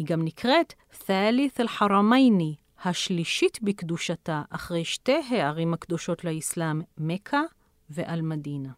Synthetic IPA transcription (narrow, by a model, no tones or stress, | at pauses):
hiɡamnikʁet | θaliθelħaʁamajni | haʃliʃitbikduʃataʔaχʁe̞jʃte̞jɦeaʁimhakd̪o̞ʃo̞tleislamːekʰa | veʔalmadina